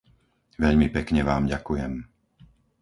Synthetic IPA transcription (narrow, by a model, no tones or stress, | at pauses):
ʋɛʎmipɛkɲɛʋaːmɟakujɛm